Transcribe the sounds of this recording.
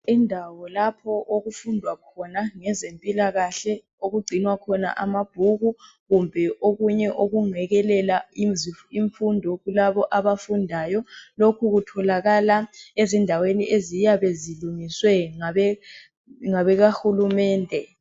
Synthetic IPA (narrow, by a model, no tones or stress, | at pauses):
indʱawɔlapʰɔʔoɣufundʱwakʰɔnaŋɛzempʼilaɣaɬɛ | oɣuɡ͡ǀʱinwakʰɔna̰ʔamab̥̚ʱuɣu | ɣumbʱɛʔoɣuɲɛʔoɣuŋɛɣɛlɛla | iɱfundʱɔɣulaβɔʔaβafundʱaːjɔlokʰuɣutʰɔlaɣalaezindʱaweniʔezijaβeziluŋiswɛŋaɛ | ŋaβɛɣahulumɛːndʱɛ